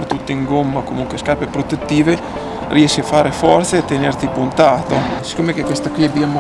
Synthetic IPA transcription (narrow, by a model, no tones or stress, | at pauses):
t̪ut̪ːeiŋɡomːakomuŋkweskapepɾot̪et̪ːiːve | rʔiɛʃeafaːɾefɔrt̪seːt̪ːenert̪ipunt̪aːt̪osi̥kːoːmekekwest̪akwiabːjaːmo